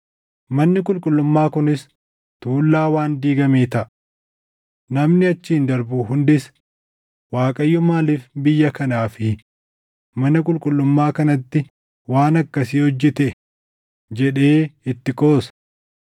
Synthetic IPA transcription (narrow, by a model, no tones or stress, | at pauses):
mɐnːɪkʼʊlkʼʊlːʊmːaːkʊnɪs | t̪uːlːaːwaːnd̪iːɡɐmeːt̪ɐʔ | nɐmnɪɐt͡ʃːiːnd̪ɐɾbuːhʊnd̪ɪs | waːkʼɐjːɔmaːlɪfbɪjːɐkɐnaːfɪ | mɐnɐkʼʊlkʼʊlːʊmːaːkɐnɐt̪ːɪ | waːnɐkːɐsiːhɔd͡ʒːɛt̪ɛ | d͡ʒɛᶑe̞ːɪt̪ːɪkʼo̞ːsɐ̥